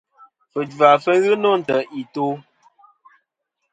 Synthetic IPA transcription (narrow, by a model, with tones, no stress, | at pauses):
fə˨d͡ʒa˨fə˦ɣɨ˦no˦n̩˨tə˨ʔi˨to˦